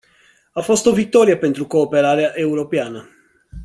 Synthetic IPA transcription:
afɔst̪ovit̪ːɔːɾjapent̪ɾukopɛɾaːɾeaʔewɾopjaːna

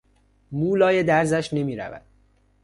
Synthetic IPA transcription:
muːlɒːjed̪æɾzæʃne̞miːɾæ̰væ̰d̪̥̚

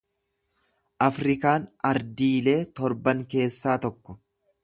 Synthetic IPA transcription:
ʔɐfɾɪkaːnɐɾd̪iːle̞ːt̪ɔɾbɐŋke̞ːsːaːt̪ɔkːɔ

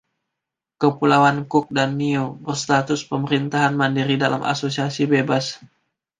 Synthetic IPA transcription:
kəpulawankʊk̚danːiobərst̪at̪ʊspəməɾint̪aɦanmandiɾidala̰mʔa̰sosiasibebas

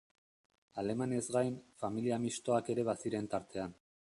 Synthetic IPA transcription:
ale̞mane̞zɡajnfamiliamist̪o̞ake̞ɾe̞βasiɾe̞nt̪aɾt̪e̞an

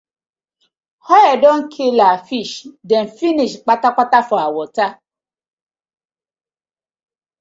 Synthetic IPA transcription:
hɔɛdɔ̃n̩kʰelafiʃdɛ̃n̩finĩʃk͡patak͡patafɔ̃awɔta

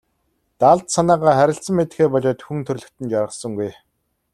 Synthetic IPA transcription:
t̪aɮt̪sanaːʁaːχæɾʲɪ̆ɬsə̆mːet̪̆xeːpɔɮɔːt̪xunt̪ʰɵrɮɵ̆kt̪ɘ̆nt͡ɕaɾʁə̆sə̆ŋɡuj

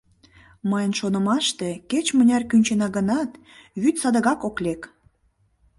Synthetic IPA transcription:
məjənʃonə̆mɑʃt̪eket͡ɕmənʲɑrkynʲt͡ɕenɑɣənɑt̪ | βyt̪sɑd̪əɣɑkoklek

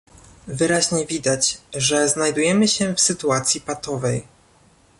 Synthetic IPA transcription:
vɘɾaʑɲɛvʲid̪at͡ɕʐɛznajd̪ujɛmɘɕɛfsɘt̪uat̪sʲjipat̪ɔvɛj

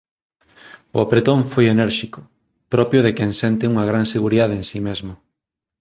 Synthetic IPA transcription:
ʊ̰apɾet̪õɱfojenɛɾʃikʊ | pɾɔpjoðekensent̪ɪuŋɐɣ̞ɾanseɣuɾiðað̞eensimezmʊ

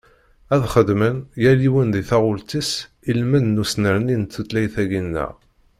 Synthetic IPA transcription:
æðχəd̪mənjæliwənðiθɑʁʊlt̪is | ilmənnusnəɾnint̪ːət̪læjθæʝinːə̰ʁ

